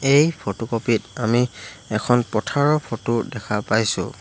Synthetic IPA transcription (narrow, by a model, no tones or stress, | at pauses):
ejpʰotokopitamiɛkʰɔnpɔtʰaɹɔpʰotodɛkʰapajsʊ̰